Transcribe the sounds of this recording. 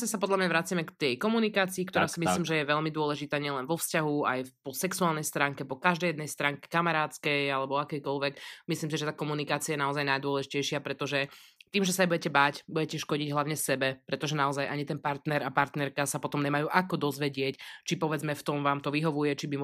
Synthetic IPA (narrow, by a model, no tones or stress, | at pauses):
asapɔd̪lamɲaʋɾat͡sɪjamɛkt̪ɛjkɔmunikaːt͡siːkt̪ɔɾaːsimisliːmʒɛjɛʋɛʎmid̪ʊɔlɛʒit̪aːɲɪɛlɛnʋɔfscaɦua̰jpɔsɛksuaːlnɛjst̪ɾaŋkɛpɔkaʒd̪ɛjɛd̪nɛjst̪ɾaŋkɛ̥kamaɾaːt̪t͡skɛjalɛbɔakɛjkɔlʋɛkmisliːms̬iʒɛt̪aːkɔmunikaːt͡siajɛnaɔzajnajd̪ʊɔlɛʒicɛjʃɪapɾɛt̪ɔʒɛt̪iːmʒɛsaɛbuɟɛcɛbaːcbujɛcɛʃkɔɟiɟɦlaʊɲɛsɛbɛpɾɛt̪ɔʒɛnaɔzajʔaɲit̪ɛnpaɾt̪nɛɾapaɾt̪nɛɾkasapɔt̪ɔmɲɛmajuːʔakɔd̪ɔzʋɛɟɪɛct͡ʃipɔʋɛd͡zmɛft̪ɔmʋaːmt̪ɔʋiɦɔʋujɛt͡ʃibi